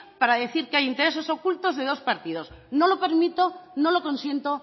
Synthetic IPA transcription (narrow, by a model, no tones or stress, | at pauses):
paɾaðe̞θiɾkeajint̪eɾe̞s̬o̞so̞kult̪o̞zðe̞ð̞o̞spaɾt̪iðo̞sno̞lo̞pe̞ɾmit̪o̞no̞lo̞ko̞nsje̞nt̪o̞